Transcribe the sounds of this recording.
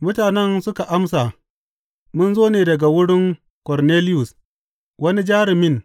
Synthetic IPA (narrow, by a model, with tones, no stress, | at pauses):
mʊ˦taː˨nɛ˦nsʊ˦ka˨ʔa˦msa˨ | mʊ˦nzoː˦neː˨dɐ˨ɡa˨wʊ˦ɽɪ˦ŋ | kɔ˨rneː˦lɪ˦jʊ˨s | wɐ˦ni˦d͡ʒaː˦ɽɪ˨mɪ˦ŋ